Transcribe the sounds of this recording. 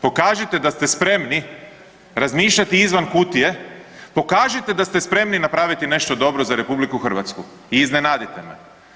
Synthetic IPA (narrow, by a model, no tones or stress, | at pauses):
po̞kaːʒit̪e̞d̪ast̪espɾe̞mni | ɾazmiːʃʎat̪iizʋankut̪ije̞po̞kaːʒit̪e̞d̪ast̪e̞spɾe̞mninapɾaːʋit̪ine̞ʃt̪o̞d̪o̞bɾo̞zaɾe̞publikuxr̩ʋat̪sku | iːznenaːd̪it̪e̞mḛ